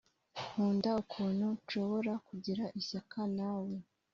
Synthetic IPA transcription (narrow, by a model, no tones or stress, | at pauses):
huːndaukʰuːn̥huʃo̞βo̞ɾakuɟiɾaʔiɕakʰanawe̞